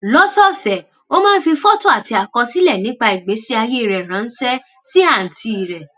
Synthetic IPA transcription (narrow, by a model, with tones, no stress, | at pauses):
lɔ˦sɔ˦sɛ˨ | o˦mãː˦˧n̩˦fi˧fɔ˦to˦˨a˨ti˧˦a˨kɔ̃˧si˦lɛ˦˨nĩ˨˦k͡pa˧i˨ɡ͡be˨˦si˦a˧je˦i˦˨ɾɛ˨ɾ̃ã˨˦n̩˦sɛ˦ | si˦a˦˨n̩˨tʰi˧i˨ɾɛ˨